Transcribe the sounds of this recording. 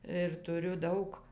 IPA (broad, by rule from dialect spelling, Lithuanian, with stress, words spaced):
ɪr tʊˈrʲʊ ˈdɐʊk